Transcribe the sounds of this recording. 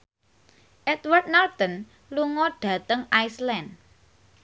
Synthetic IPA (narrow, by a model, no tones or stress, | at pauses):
ʔɛt̪wərd̪̚nalt̪ɔn | luŋɔɖ̥ä̤t̪əŋajslɛnd